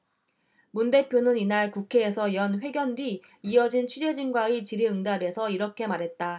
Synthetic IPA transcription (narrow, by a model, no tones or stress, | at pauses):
munde̞pʰjonɯninaɭkukʰe̞ːsʰʌjʌnɸwe̞ɡjʌndwiː | ʌd͡ʑint͡ɕʰɥid͡ʑe̞d͡ʑinɡwait͡ɕiɾiɯŋdabe̞sʰʌiɾʌkʰe̞maɾɦe̞t̚t͈a